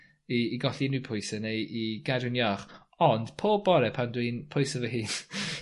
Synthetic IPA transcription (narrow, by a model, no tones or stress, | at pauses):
iːɡɔɬinɪpʰʊjsəneʔiɡadɨnjɔχ | ɔnd̥pʰoːbɔɾɛpʰandwinpʰʊjsəvəɦɨːn